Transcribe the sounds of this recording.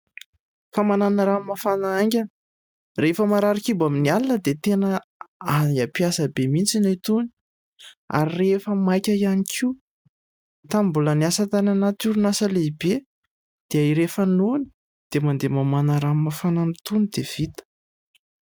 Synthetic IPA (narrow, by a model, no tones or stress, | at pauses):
famananaɾamafanaaŋɡʲan | refəmaɾaɾikibaminialinəd̪et̪enəaiapiasəbemint͡sinajt̪uni̥ | a̰ɾirefəmajkʲəianikʰiw | t̪ambuləniasət̪ananat̪uɾunasəleibe | d̪̥eaiɾefanoni̥ | d̪̥emand̪emamanəɾamafananit̪unid̪̥ev̥it̪ə̥